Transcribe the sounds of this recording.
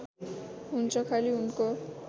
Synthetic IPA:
ɦunt͡sʰʌkʰaliunko

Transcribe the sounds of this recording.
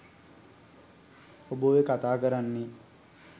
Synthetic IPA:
obəʋekat̪aːkəɾanːe

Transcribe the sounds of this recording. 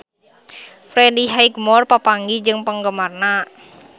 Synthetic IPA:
fɾediɦajɡmɔrpapaŋɡid͡ʒɨŋpəŋɡəmarna

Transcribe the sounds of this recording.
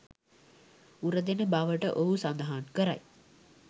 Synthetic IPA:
uɾəd̪enəbaʋəʈəʔoɦusand̪əɦankəɾa̰j

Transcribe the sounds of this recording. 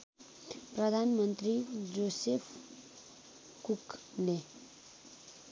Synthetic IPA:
prʌd̪ʱanmʌnt̪rid͡zosepʰ | kuk | le

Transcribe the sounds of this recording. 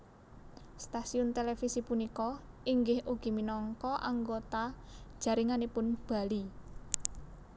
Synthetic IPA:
st̪asiʊnt̪elefisipunikɔ | iŋɡɪhuɡ̥i̤minɔŋkɔʔa̰ŋɡot̪ḁʒ̥ä̤ɾiŋanepʊnb̥a̤li

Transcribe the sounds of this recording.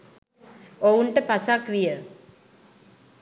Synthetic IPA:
ouɳʈəpasakʋijə

